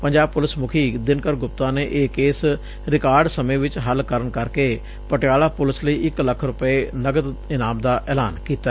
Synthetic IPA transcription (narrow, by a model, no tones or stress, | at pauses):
pəɲd͡ʒaːb̚pʊlɪsmʊkʰiːd̪ɪnkəɾɡʊp̚t̪ãːneːʔeːkeːs | ɾɪkaːɾɖsəmẽːʋɪt͡ʃɦəlkəɾəɳkəɾkeː | pəʈjaːlaːpʊlɪsləiːʔɪkləkʰɾʊpəeːnəɡəd̪ɪnaːmd̪aːʔɛːlaːnkiːt̪a